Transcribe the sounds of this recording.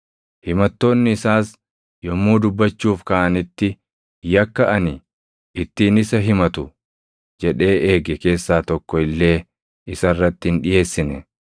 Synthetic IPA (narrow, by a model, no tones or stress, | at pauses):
hɪmɐt̪ːo̞ːnːɪːsaːs | jɔmːuːd̪ʊbːɐt͡ʃːuːfkɐʔɐnɪt̪ːɪ | jɐkːɐʔɐnɪ | ɪt̪ːiːnɪsɐɦɪmɐt̪ʊ | d͡ʒɛᶑe̞ːʔeːɡɛke̞ːsːaːt̪ɔkːɔɪlːe̞ː | ɪsɐrːɐt̪ːɪɪnᶑɪje̞ːsːɪnɛ